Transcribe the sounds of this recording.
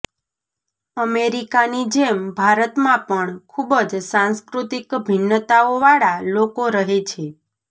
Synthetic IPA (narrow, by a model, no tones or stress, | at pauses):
əmeɾikanid͡ʒembʱaɾət̪mãpəɳkʰubəd͡ʒsãnskɾut̪ikbʱɪnːət̪aoʋaɭalokoɾəɦet͡ʃʰe